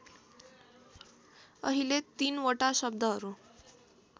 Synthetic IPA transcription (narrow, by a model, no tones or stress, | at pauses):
ə̰ɦilet̪ːiːnʋəʈaɕəb̚d̪əɦəɾu